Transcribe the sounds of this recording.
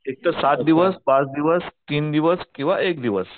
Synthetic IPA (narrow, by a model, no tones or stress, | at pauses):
ek̚t̪əsat̪̚d̪iʋəsbat͡sd̪iʋəst̪iːnd̪iʋəskĩw̃ʋaekd̪iʋəs